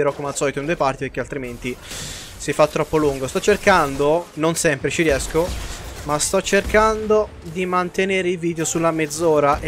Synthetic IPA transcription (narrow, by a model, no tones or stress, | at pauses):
eɾɔkːomasːɔːlit̪oind̪uepart̪ipeɾk̟ealt̪ɾiment̪i | sifat̪ːɾɔpːoluŋɡost̪ɔt͡ʃːerkand̪ononsɛmpɾet͡ʃiɾjɛskomast̪ɔt͡ʃːerkand̪o | d̪imant̪eneːɾeilviːd̪eosulːamed̪zːɔːɾaʔe